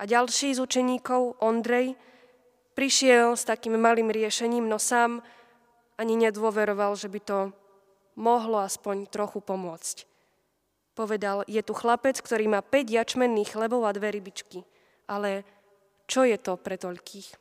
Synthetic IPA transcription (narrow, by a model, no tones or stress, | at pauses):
ʔaɟalʃiːzut͡ʃɛɲiːkɔʊʔɔnd̪ɾɛj | pɾiʃɪɛlst̪akiːmːaliːmɾɪɛʃɛɲiːmnɔsaːm | aɲiɲɛd̪ʊɔʋɛɾɔʋalʒɛbit̪ɔ | mɔɦlɔaspɔɲt̪ɾɔxupɔmʊɔt͡sc | pɔʋɛd̪aljɛt̪uxlapɛt͡skt̪ɔɾiːmaːpɛɟjat͡ʃmɛnːiːxxlɛbɔʊad̪ʋɛɾibit͡ʃki | ʔalɛ | t͡ʃɔjɛt̪ɔpɾɛt̪ɔʎkʰiːx